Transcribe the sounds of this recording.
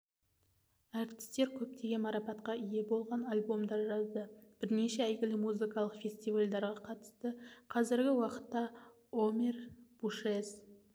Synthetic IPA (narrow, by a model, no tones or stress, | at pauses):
ɑɾt̪ɪ̥st̪e̞ɾkʲʰɵp̚t̪e̞ɡʲe̞nmɑɾɑpɑt̪qɑije̞bo̞lˠʁɑnɑlʲbo̞md̪ɑɾʒɑzd̪əb̥ɪɾne̞ʃeæjɡʲɪlɪmuzɨkɑlˠəqfʲe̞sʲt̪ivalʲd̪ɑɾʁɑqʰɑt̪ə̥st̪əqʰɑzɪɾɡʲɪwɑqə̥t̪ːɑ | omʲerb̥uʃez